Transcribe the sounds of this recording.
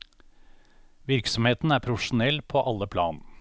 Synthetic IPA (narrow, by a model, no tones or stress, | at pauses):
ʋɪɾksɔmheːt̪n̩æːɾpʰɾʊfʂʊnɛlpʰoːʔɑlːəpʰlɑːn